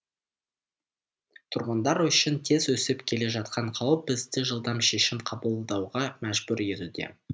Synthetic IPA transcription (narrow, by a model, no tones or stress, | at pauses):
t̪ʰʊɾʁənd̪ɑɾʏʃɪnt̪ʰe̞zwɵsɪpkʲʰe̞le̞ʒɑt̪qɑɴqʰɑwp̚bɪzd̪ɪʒəlˠd̪ɑmʃe̞ʃɪmqʰɑbəlˠd̪ɑwʁɑmæʒbʉɾe̞t̪ud̪e̞̰